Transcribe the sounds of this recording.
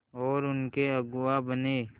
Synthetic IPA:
ɔːɾʊnkeɐɡʊwabəneː

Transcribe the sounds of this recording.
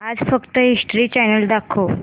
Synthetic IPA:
ad͡zfəkt̪əɦisʈɾiːt͡ɕɛnəld̪akʰo

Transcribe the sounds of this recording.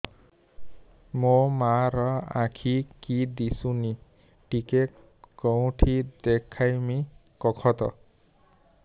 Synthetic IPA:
momaɾɔãkʰikid̪isuni | ʈike | kɔw̃ʈʰid̪ekʰajmi | kɔkʰɔt̪ɔ̰

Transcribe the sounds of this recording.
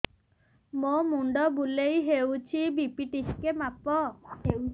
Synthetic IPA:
momuɳɖɔbulejɦewt͡ʃʰibipiʈiskemapɔ

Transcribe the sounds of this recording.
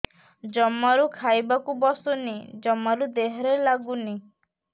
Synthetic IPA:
d͡ʒɔmaɾukʰajbakubɔsɔnid͡ʒɔmːaɾud̪eɦɔɾelaɡuni

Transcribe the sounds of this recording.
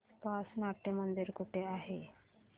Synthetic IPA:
pasnaʈemənd̪iɾkuʈʰeaɦe

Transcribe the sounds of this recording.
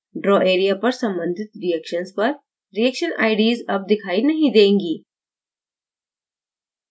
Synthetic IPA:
ɖɾɔːʔeːɾijapɐɾsɐ̃mbə̃nd̪ʱɪt̪ɾijɛkʃənspɐɾ | ɾijɛkʃəna̰ːɪɖiːzɐb̚d̪ɪkʰaːinɐɦĩd̪ẽːŋɡiː

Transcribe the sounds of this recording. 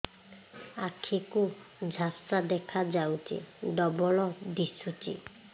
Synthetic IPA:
akʰikʊd͡ʒʱasɹad̪ɛkʰad͡ʒawtḭdɔbɔlɔdisutḭ

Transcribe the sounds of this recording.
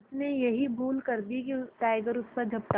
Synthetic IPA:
ʊsnejɐɦibʱuːlkɐɾd̪ikiʈaːɪɡəɾʊspɐɾd͡ʒʱɐpʈa

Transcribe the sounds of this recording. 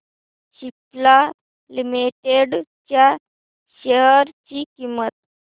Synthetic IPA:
ɕipla | limiʈeɽt͡ɕja | ɕeɦəɾt͡ɕikimːət̪̚

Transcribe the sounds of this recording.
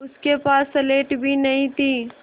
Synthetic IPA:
ʊskepaːsːɐleːʈbʱinɐɦĩt̪ʰiː

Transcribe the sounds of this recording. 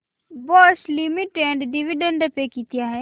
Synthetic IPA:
bɔːslimiʈẽɳɖɖiʋiɖə̃ɳɖəpekit̪ijaɦɛ

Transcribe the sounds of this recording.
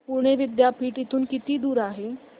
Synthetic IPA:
puɾɽ̃eʋɪd̪japʰiːʈit̪uːnkit̪iːd̪uːɾaɦe

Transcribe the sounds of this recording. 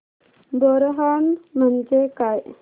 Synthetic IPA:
bɔɾɦanmənd͡ʒekajʔ

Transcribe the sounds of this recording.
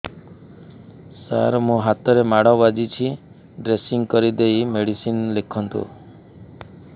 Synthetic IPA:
sa̰ɾmũɦat̪ɔɾemaɽɔbad͡ʒit͡ʃʰi | ɖɾesiŋkɔɾid̪ejmeɽisinlekʰɔnt̪ṵ

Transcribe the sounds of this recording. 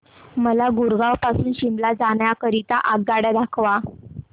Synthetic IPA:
məlaɡuɾɡawpasuːnɕimblad͡zaɳjakəɾit̪aʔaɡ̚ɡaɽjad̪akʰʋa

